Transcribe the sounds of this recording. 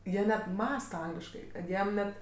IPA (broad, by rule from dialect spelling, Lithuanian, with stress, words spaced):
ˈjiɛ nʲɛt ˈmɑːstɐ ˈɐŋɡlʲɪʃkɐɪ kɐt ˈjiɛm ˈnʲɛt